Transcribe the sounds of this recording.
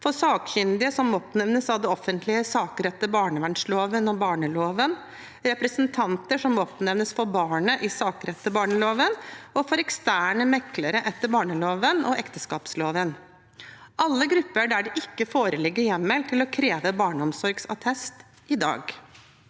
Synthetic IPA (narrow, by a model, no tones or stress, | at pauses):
fɔsɑːkçʏnd̪ɪəsɔmɔpnɛʋnəsɑʋd̪ɛɔfənt̪ʰlɪəsɑːkɾɛt̪ːəbɑːɳəʋæɳʂloːʋənɔbɑːɳəloːʋən | ɾɛpɾɛsənt̪ʰɑnt̪əʂɔmɔpnɛʋnəsfɔɾbɑːɳəʔɪsɑːkɾɛt̪ːəbɑːɳəloːʋənɔfɔɾɛkst̪æːɳəmɛkləɾəʔɛt̪ːəɾbɑːɳəloːʋənɔ̰ʔɛkt̪əskɑːpsloːʋən | ʔɑlːəɡɾʉpːəɖæɖɛʔɪkːəfoːɾəlɪɡːəɾjɛmːɛlt̪ʰɪlɔkʰɾeːʋəbɑːɳəɔmsɔɾɡsɑ̰t̪ʰɛst̪ | ɪd̪ɑ̰ːɡ